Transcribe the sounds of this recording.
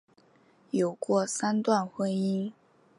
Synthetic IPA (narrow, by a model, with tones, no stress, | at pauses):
jo˨˩ʊkwɔ˥˩sa˥nt̪wa˥˩nxwe˥ɪi˥n